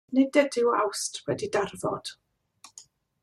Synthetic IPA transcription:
nɪdɛdɪwa̰wstʰwɛdidarvɔ̰d̥

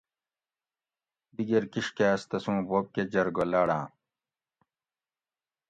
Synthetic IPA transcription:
b̪iɡeɾkiʂkeɐst̪ɐsũːboːp̚ked͡ʑɐɾɡolaːɽãː

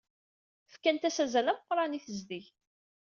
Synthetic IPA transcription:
fkænt̪æsæzælæməqːɾˤɑniθəzðiç

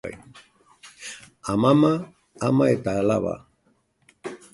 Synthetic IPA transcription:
aj | amama | amaet̪aala̰βa̰

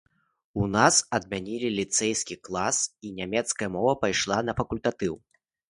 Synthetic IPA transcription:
unasɐd̪̚mʲanʲilʲilʲit̪sɛjskʲiklˠasinʲamʲɛt̪skɐjɐmɔvɐpajʂlˠanɐfɐkulʲt̪at̪ɨw

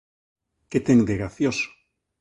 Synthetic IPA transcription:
ket̪eŋd̪eɣɾaθjoso̥

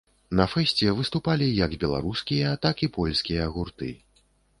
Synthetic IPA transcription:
nɐfɛsʲt͡sʲɛvɨst̪upalʲijɐɡbʲɛlˠa̰ɾuskʲijɐt̪akipɔlʲsʲkʲijɐːɣurt̪ɨ̰

